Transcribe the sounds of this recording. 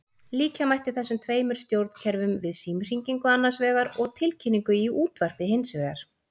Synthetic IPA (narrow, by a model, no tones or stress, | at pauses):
liːcamajht̪ɪθɛsːʏmt̪ʰveːjmʏɾ̥st̪jowɾt̪n̥cʰɛɾvʏmvɪðsiːmr̥iŋciŋkʏanːansvɛːɣaɾɔɣt̪ʰɪlcʰɪnːiŋkʏiuːt̪var̥pɪɦejnsvɛːɣaɾ̥